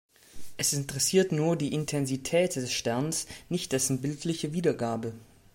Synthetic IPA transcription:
ʔɛsɪntəʁɛsiːɐtnuːɐdiːʔɪntʰɛnzitʰɛːtd̥ɛsʃtɛɐnsnɪçt̚d̥ɛsn̩bɪltʰlɪçəviːdɐɡaːbə

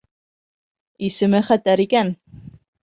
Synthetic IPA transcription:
isɘ̆mɘχæt̪æɾikæn

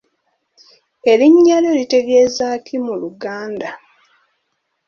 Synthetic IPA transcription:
e̞liɲːaljo̞lite̞ɡezaːkʰimuluɡaːnda

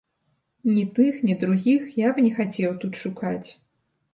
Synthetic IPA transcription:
nʲit̪ɨxnʲid̪ɾuɣʲixjabnʲɛxat͡sʲɛwt̪ut̪ʂukat͡sʲ

